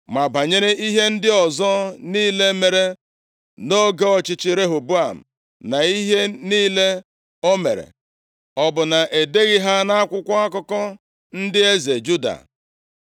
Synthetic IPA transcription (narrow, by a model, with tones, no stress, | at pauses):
ma˨ba˨ɲe˦ɾe˦ʔi˦ɦe˦n̩˦dɪ˦ɔ˨zɔ˦niː˦le˦me˨ɾe˦ | no˦ɡe˦ɔ˨t͡ʃɪ˦t͡ʃɪ˦ɾe˦ɦo˨bu˦a˨m̩̰˨ | na˨i˦ɦe˦niː˦le˦ | o˦mḛ˨ɾḛ˨ | ɔ˨bʊ˨na˨ʔe˨de˦ɣi˦ɦa˦na˦a˦kʷʊ˦kʷa˦a˦kɔ˦kɔ˦ | n̩˦dɪ˦e˦ze˨d͡ʒu˦da̰˨